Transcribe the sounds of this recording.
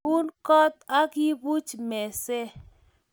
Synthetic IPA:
u˦nkɔ˦t̪a˦ɡɪ˦bu˦t͡ʃmɛ˨sɛ˦

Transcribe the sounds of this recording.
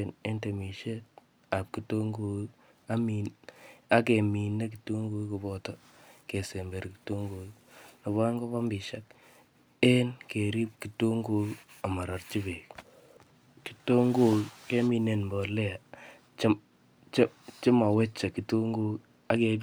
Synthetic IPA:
ne˦nte˨mi˨ʃe˦t | a˨p̚ki˨to˦ŋɡo˨ | a˦mi˨a˦k̬e˨mi˨ne˦k̬i˨to˦ŋɡu˦ku˨bɔ˨tɔ˦ | ke˨se˨mbe˨ɾki̥to˦ŋɡo˨ | nɔ˨βa˦ŋɡo˦pa˦mbi˨ʃa˦k̚ | ɛ˦nke˨ɾi˦p̚ki˨to˦ŋɡo˦ka˨ma˨ɾa˨ɾt͡ʃi˦be˨k | ki̥˨to˦ŋɡo˦ke˦mi˨ne˨nmbɔ˨lɛ˦a˨ | t͡ʃ | t͡ʃt͡ʃɪ˦ma˨wɛ˦t͡ʃːa˨ki˨to˦ŋɡu˦k | a˦ke˨

